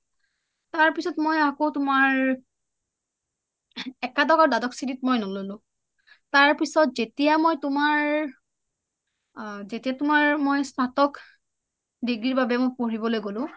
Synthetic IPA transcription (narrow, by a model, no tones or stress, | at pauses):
taɹpisɔtmojakotʊmaɹ | ɛkadɔkaɹudadɔksitit̚mojnɔlolʊ̃ | taɹpisɔtzetijamojtʊmaɹ | zetijatʊmaɹmojstʰatɔk | diɡɹiɹbabɛmojpoɹibɔlojɡolʊ̃